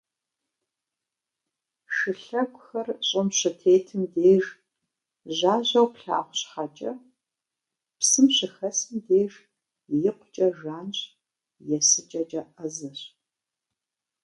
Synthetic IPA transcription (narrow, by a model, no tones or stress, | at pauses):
ʂʃɨɬɐɡʷʼʊxɐrɕʼɪmɕɐtʰeːtʰɨmdeːʒ | ʑaːʑɐwpɬa̰ːχʷɕχɐt͡ʃʼɐ | psɨmɕɪxɐsɨmdeːʐ | jɪqʷʊt͡ʃʼɐʒaːnɕʼ | jɛsɨt͡ʃʼɐt͡ʃʼɐɐzɐɕ